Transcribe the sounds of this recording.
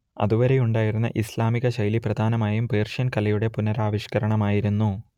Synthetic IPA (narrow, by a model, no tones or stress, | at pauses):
ɐ̰ðuʋɐɾe̞juɳɖaːjiɾunːɐ̰ʔislaːmiɣɐɕɐjliprɐd̪ʱaːnɐmaːjumpeːrʂɐnkɐlɐjuɽe̞punɐɾaːʋiɕkɐɾɐɳɐmaːjiɾunːu